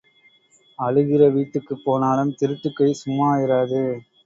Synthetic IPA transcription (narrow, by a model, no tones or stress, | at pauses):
ɐɻɯɣɪrɐʋiːʈːɯkːɯpːoːnaːlɯmt̪ɪɾɯʈːɯkːɐɪsʊmːaːjɪɾaːðɯ